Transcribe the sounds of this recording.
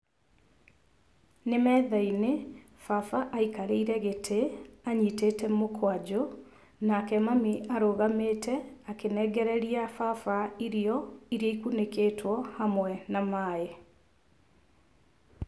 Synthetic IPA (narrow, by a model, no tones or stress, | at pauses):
nemɛːðaine | fafaʔaikaɾeiɾɛɣetʰeaɲitetɛmokʰwad͡ʑo | nakɛmamiʔaɾoːɣameːtʰɛakenɛɡɛɾɛɾiafafaiɾiɔiɾiaikunekeːtʰwɔhamwɛnamaːe